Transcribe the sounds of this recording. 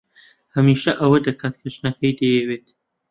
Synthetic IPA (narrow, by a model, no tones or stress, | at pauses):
hɐmiːʃɐʔɐwɐd̪ɐkʰaːt̪̚kʰɐt͡ʃnɐkʰɐjd̪ɐjɛweːt̪